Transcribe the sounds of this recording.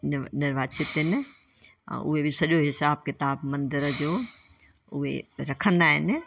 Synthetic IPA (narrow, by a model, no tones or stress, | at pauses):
nɪɾʋaːt͡ʃɪt̪ɦɪnɪ̰̆ | ʊ̰ɦebʱisɐɗjoɦɪsaːb̚kɪt̪aːbmɐ̃nd̪ɪɾəd͡ʑoː | ʊɦḛɾɐkʰə̃nd̪aːɦɪnɪ̆